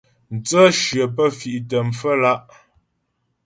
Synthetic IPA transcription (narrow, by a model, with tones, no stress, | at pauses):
n̩˨t͡sə˦ʃɥɰə˨pə˦fi˨ʔtə˨mfə˦la˦ʔ